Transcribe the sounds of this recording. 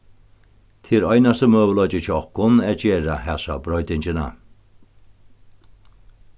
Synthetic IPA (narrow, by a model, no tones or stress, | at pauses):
t̪ʰiːɾɔjnasəmøːwəlɔd͡ʒət͡ʃɔhkʊnɛd͡ʒeːɹahɛsa̰bɾɔjd̪ɪnd͡ʒəna̰